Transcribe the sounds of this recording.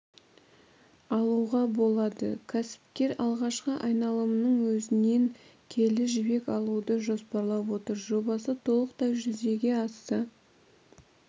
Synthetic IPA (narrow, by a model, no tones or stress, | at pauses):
ɑlˠuʁɑbo̞lˠɑd̪ə̰kʲʰæsɪ̥pkʲe̞ɾɑlˠʁɑʃqəʔɑjnɑlˠəmənəɴwɵzɪne̞ŋ | kʲʰe̞lɪʒɪbe̞kɑlˠud̪əʒo̞spɑɾlˠɑpwo̞t̪əɾʒo̞bɑsət̪ʰo̞lˠəqt̪ɑjʒʏze̞ɡʲe̞ɑsə